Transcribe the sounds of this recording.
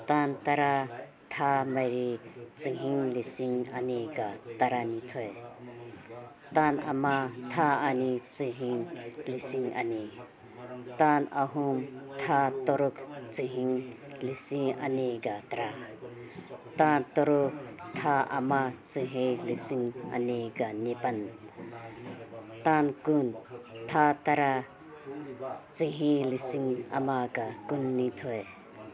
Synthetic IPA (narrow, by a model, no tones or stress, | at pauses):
t̪ant̪ɐɾa | t̪ʰamɐɾit͡siɦiŋlisiŋaniɡat̪ɐɾanit̪ʰɔj | t̪ana̰mat̪ʰaːnit͡siɦiŋlisiŋa̰ni | t̪anaɦumt̪ʰat̪ɔɾukʰt͡siɦiŋ | lisiŋa̰niɡat̪aɾa | t̪ant̪ɔɾuk̚t̪ʰaʔɐ̰mat͡siɦilisiŋɐ̰niɡanipɐn | t̪ankunt̪ʰat̪aɾa | t͡siɦilisiŋɐmakakunːit̪ʰɔj